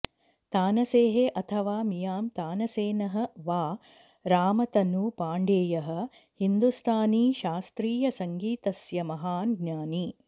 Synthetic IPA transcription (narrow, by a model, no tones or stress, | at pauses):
t̪aːnɐseːɦeʔɐt̪ʰɐʋaːmijaːmt̪aːnɐseːnɐɦɐ̆ʋaː | ɾaːmɐt̪ɐnupaːɳɖeːjɐɦɐ̆ | hind̪ust̪ʰaːniːʃaːst̪ɾiːjɐsɐŋɡiːt̪ɐsjɐmɐɦaːnɡɲaːni